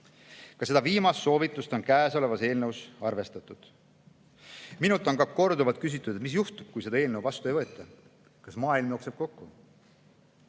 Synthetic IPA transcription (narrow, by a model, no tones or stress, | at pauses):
kɑse̞d̪ɑviːmɑsːo̞ːvit̪ːˑust̪o̞nkæːso̞le̞vɑse̞ːlnəwsɑrve̞st̪ɑt̪ːˑud̪̥ | minult̪ːˑo̞nkɑko̞rd̪uvɑt̪̚kys̬it̪ːˑud̪et̪mis̬juht̪ub̥̚kujse̞d̪ɑe̞ːlnewvɑst̪uejvɤ̞ːt̪ːˑɑ | kɑsmɑːilmjo̞ːkseb̥̚ko̞kːu